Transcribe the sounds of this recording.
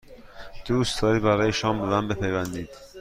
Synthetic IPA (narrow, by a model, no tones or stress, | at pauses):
d̪̥uːst̪ʰɒːɾiːbæɾɒːjeʃɒːmbelænbepʰejvænd̪iːd̪̥